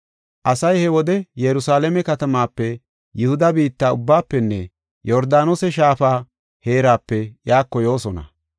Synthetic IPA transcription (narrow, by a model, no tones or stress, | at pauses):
ʔɐsɐjhɛwɔd̪ɛjɛɾʊsaːlɛmɛkɐt̪ɐmaːpːɛ | jɪhʊd̪ɐbiːt̪ːaːʊbːaːpːɛnːɛ | jɔɾd̪aːnosɛʃaːfaː | he̞ːɾaːpːɛjaːkːɔjo̞ːsɔnɐ̰